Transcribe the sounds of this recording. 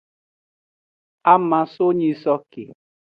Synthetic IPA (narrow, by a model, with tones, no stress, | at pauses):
a˦ma˨so˦ɲi˦sɔ˦kḛ˨